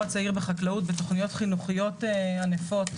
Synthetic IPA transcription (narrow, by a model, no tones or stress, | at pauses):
at͡saiʁbeχaklaut̚betoχnijo̞tχinuχijo̞teanefo̞t